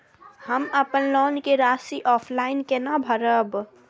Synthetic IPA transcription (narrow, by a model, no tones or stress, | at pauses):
həməpənlɔːnkeɾaːsiʔɔːpʰlaːɪnkenabʱəɾəb